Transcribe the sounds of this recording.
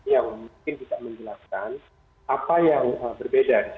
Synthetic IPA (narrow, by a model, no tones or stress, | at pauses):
jaŋmuŋkɪnt̪idaʔməɲd͡ʒəlaskan | ʔapajaŋəbərbedadi